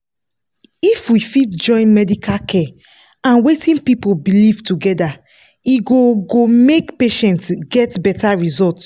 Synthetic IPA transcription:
ifwifitd͡ʒɔ̃ɪ̃nmɛdikʰalkʰɛ | ãnwetĩnpipolbilivtuɡɛda | iɡoɡomekpeʃɛ̃ntɡɛtbɛtaɹizɔlt

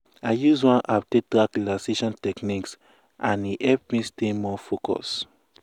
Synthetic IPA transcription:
aɪjuzwɔ̃nʔap̚tetɾaklaseʃɔ̃ntɛkniks | ʔãniʔɛp̚mĩstemɔfokɔ̰s

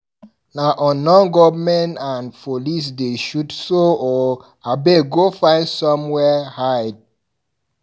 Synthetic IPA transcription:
naʔɔnɔ̃nɡɔvmɛ̃ntãnfolis̬deʃudsoɔ | abeɡofãɪ̃nsɔ̃mwɛhaɪd̚

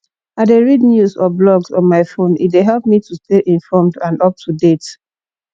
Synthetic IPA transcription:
adeɹidnjusɔblɔɡsɔ̃nmaɪfõnḭtweɦɛlp̚mitʰusteʔĩɱfɔmdãnɔp̚tʰudet

